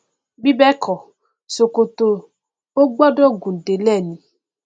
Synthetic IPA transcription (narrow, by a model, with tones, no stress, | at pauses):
bi˦bɛ˦kʰɔ˨ | so˨ko˨to˧ | o˦ɡ͡bɔ˦dɔ˦ɡũ˨de˨˦lɛ˦˨nĩ˨˦